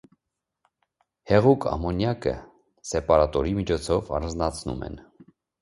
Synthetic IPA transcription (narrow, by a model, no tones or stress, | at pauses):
hɛʁukʰɑ̰mɔnjɑkə̰ | sɛpɑɾɑt̪ɔɾimit͡ʃʰɔt͡sʰɔvɑ̰ɾɑnd͡znɑt͡sʰnṵmɛ̰n